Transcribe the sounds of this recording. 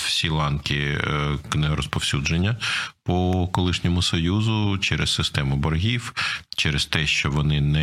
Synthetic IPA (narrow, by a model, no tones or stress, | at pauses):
wsʲilˠɑnkʲɪknɛɔɾɔspɔwsʲud͡ʒenʲːɐpɔkɔlˠɪʃnʲɔmʊsɔjuzʊt͡ʃɛɾɛssɪst̪ɛmʊbɔrɦʲiwt͡ʃɛɾɛst̪ɛʃt͡ʃɔʋɔnɪnɛ